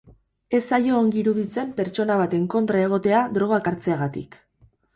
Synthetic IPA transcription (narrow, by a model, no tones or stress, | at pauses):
e̞sajo̞ːŋɡiɾuðit͡se̞mpe̞ɾt͡so̞naβ̞at̪e̞ŋko̞nt̪ɾae̞ɣ̞o̞t̪e̞ad̪ɾo̞ɣ̞akaɾt͡se̞aɣat̪ḭk